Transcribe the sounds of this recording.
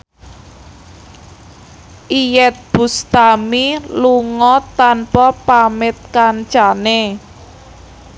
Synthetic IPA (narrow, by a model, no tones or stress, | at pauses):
ʔijɛt̪̚b̥ṳst̪amiluŋɔt̪anpɔpamɪt̪̚kant͡ʃane